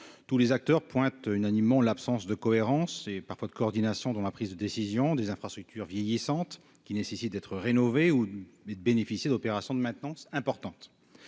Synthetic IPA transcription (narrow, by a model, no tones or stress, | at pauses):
t̪ulezak̚t̪œʁpwɛ̃t̪ynanimːɑ̃lapsɑ̃sd̪əkɔeʁɑ̃sepaʁfwad̪əkɔːʁd̪inasjɔ̃d̪ɑ̃lapχizd̪əd̪esizjɔ̃d̪ezɛ̃fχast̪χyk̚t̪ʰyʁvjejisɑ̃t̪ | kʲinesesit̪̚d̪ɛt̪χəʁenɔveued̪əbenefisjed̪ɔpeʁasjɔ̃d̪əmɛ̃t̪nɑ̃sɛ̃pɔʁt̪ɑ̃t̪